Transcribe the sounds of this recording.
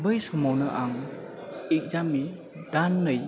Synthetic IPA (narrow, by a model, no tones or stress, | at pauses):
bɯjsɔmawnɯʔaŋ | ik̚zamːi | d̥anːɯj